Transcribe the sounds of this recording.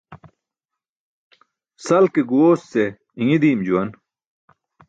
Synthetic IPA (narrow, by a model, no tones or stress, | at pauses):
sɐlkeɡuwoːsːe | iŋid̪iːmd͡ʑuwɐn